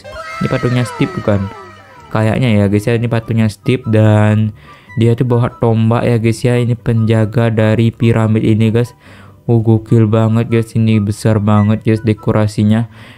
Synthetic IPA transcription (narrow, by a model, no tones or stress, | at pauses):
inipat̪uɲast̪ɪp̚d̪ukan | kaja̰ʔɲajaɡisiainipat̪uɲasə̥t̪ɪp̚dan | diat̪ubawaʔt̪omba̰ʔjʔaɡisiainipəɲd͡ʒaɡadaɾipiɾʔamit̪iniɡas | uɡokɪlbaŋət̪̚ɡasinibəsarbaŋət̪̚ɡasdekoɾʔasiɲa